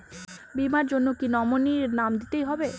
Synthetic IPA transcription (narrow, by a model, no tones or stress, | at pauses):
bimaɾd͡ʑonːokinɔmoniɾnamd̪it̪ejɦɔbe